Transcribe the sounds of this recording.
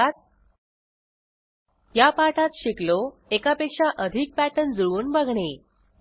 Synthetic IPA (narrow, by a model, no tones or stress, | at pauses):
t̪̚ | japaʈat̪ɕiklo | ekapekʂaʔəd̪ʱik̚pæʈənd͡zuɭuːnbəɡʱɳe